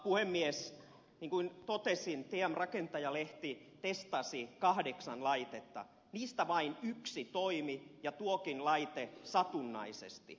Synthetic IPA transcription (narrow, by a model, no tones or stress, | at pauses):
puhemːies | niːŋkuint̪ot̪esint̪eæmrɑkent̪ɑjɑleht̪it̪est̪ɑsikɑhdeksɑnlɑit̪et̪ːɑ̰ | niːst̪æʋɑinyksit̪oimijɑt̪uokinlɑit̪esɑt̪unːɑ̰isḛst̪ḭ